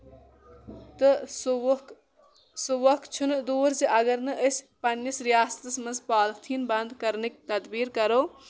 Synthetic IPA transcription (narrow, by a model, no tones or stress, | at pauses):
t̪ɨsk | suʋɐkt͡ʃʰund̪uːɾziʔɐɡɐɾnɨʔəs | pɐnːisɾijaːst̪ɨsmɐnzpaːlt̪ʰiːnbɐnd̪kɐɾnik̚t̪ɐd̪biːɾkɐɾoː